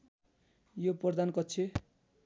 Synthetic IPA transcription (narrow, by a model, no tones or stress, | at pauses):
joprʌd̪ankʌt͡sʰe